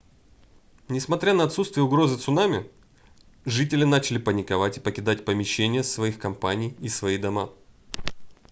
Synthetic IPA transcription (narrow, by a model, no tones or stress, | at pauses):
nʲɪsmɐt̪ɾʲanəɐt̪sut̪st̪vʲɪjəʊɡɾo̞zɨt̪sʊnamʲɪ | ʐɨtʲɪlʲɪnat͡ɕɪlʲɪpənʲɪkɐvatʲɪ̥pəkʲɪd̪atʲpəmʲɪɕːenʲɪjəsvɐixkɐmpanʲɪjɪsvɐid̪ɐma